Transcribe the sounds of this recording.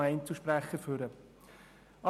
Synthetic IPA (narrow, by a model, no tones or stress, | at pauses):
ɛɪnt͡suʃpɾæχəføɾə | ɑ